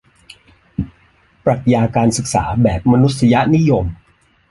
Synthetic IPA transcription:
pɾa˨˩t̪̚jaː˧kaː˧nsɯ˨˩k̚sa̰ː˩˦bɛː˨˩p̚ma˧nu˦˥t̪̚sa˧ja˦˥ni˦˥jo˧m

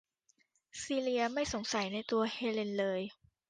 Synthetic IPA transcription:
siː˧li˧ɐma˥˩jso˩˦ŋsa˩˦jna˧jt̪u˧ɐheː˧le˧nlɤː˧j

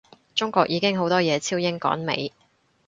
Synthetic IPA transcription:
t͡sʊ˥ŋkʷɔː˧k̚ʔjiː˨˧kɪ˥ŋɦo˨˥wt̪ɔː˥jɛː˨˧t͡sʰiː˥wjɪ˥ŋkɔ̰ː˨˥nmḛ˨˥j

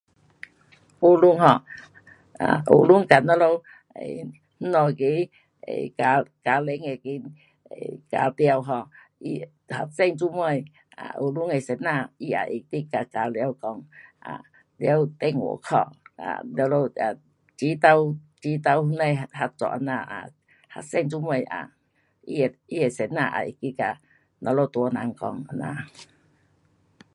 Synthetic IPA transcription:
u˧lu˧˦ŋɦɔ˧˩ | a̰˨ʔo̰˨lu˦ŋka˨na˧˦lo˧w | ḛ˨ | n̩˦nɔ˨ki˨˦ | ḛ˨ka˧ka˨˧le˨˦ŋe˨ki˧˦ | e˨ka̰˨˧t̪ja˧wɦɔ˧˩ | i˧ | ha̰˧sɛ˦˧˨ŋt͡su˦m˦a˧˨j | a̰˨ʔo˧˩lu˧˦ŋe˨se˨˧nã˧˨i˧a̰˨ʔi˨t̪i˧˦ka˧ka˨˧ljwkɔ˧ŋʔa̰˨ | li˧˦wt̪e˧ŋṵ˨˦kʰɔ̰˧˨ʔa̰˨llo˧a˨ | t͡ɕi˨˦t̪a˧w | t͡ɕi˨˦t̪a˧whu˧nə˧˨jha˧t͡sɔ̰˧˨ʔna˧˨a̰˨ | ha̰˧˨se˧˨ŋt͡su˧˦mə˧˨ja̰˨ | ḭ˧˨i˧˨e˨se˨˦t̚na˧˨ʔa̰˨ʔi˨t̪i˦ka˧˨ | nɔ˧lo˧t̪u˨˧˦na˧˨ŋkɔ˧ŋ˨na̰˧˨

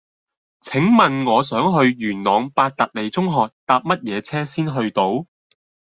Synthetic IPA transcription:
t͡sʰɪ˨˥ŋmɐ˨nŋɔː˨˧sœː˨˥ŋɦɵ˧ɥjyː˨˩nnɔː˨˧ŋpaː˧t̚t̪ɐ˨k̚le˨˩jt͡sʊ˥ŋɦɔː˨k̚t̪aː˧p̚mɐ˥t̚jɛː˨˧t͡sʰɛː˥siː˥nɦɵ˧ɥt̪o˧˥w

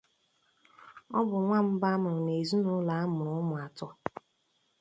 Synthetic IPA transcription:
ɔ˦bʊ˨ŋʷa˦m̩˦ba˦a˦mʊ˨ɾʊ˨ne˨zu˦nʊ˦la˨˦a˦mʊ˨ɾʊ˨˦ʊ˦mʊ˨a˨tɔ˦

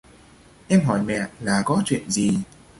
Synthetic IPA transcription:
ʔɛ˧mɦɔ˨˧˩jmɛ̰˧˨laː˨˩kɔ˨˦t͡ɕwḭ˧˨ənzi˨˩

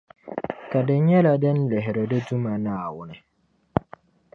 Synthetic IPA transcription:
ka˨dɪ˨ɲɛ˦la˨dɛ˦nlɪ˨ɦɪ˨ɾə˨də˦du˦ma˨naː˦˨wʊ˦nɪ˨

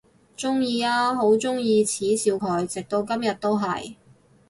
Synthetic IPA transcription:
t͡sʊ˥ŋjiː˧aː˥ɦo˨˥wt͡sʊ˥ŋjiː˧t͡sʰiː˨˥siː˧wkʰɔː˨˩jt͡sɪ˨k̚t̪o˧wkɐ˥mjɐ˨t̚t̪o˥wɦɐ̰˨˩j

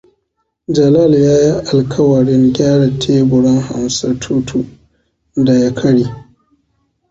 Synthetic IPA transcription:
d͡ʒɐ˨la˦˨ljaː˦ji˦ʔa˨lkʰɐ˦wɐ˨ɽɪ˦ŋɡʲaː˦ɽa˨tʰeː˦bʊ˨ɽɪ˦ŋha̰˨msa˦tʰu˦tʰu˨ | da˨ja˦kʰɐ˦ɽiː˨

